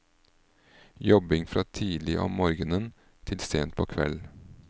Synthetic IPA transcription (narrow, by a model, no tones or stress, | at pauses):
jɔbɪŋfɾɑːt̪ʰiːlɪʔɔ̰mmoːɾɡənən | t̪ʰɪlst̪eːnt̪̚pʰoːkʰʋɛ̰l